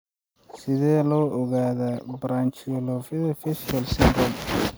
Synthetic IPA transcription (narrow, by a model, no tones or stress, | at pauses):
sɪðɛːlɔːʔɔɣaːðabɾaːnt͡ʃilɔffɛsalsɪnd̪ɾɔm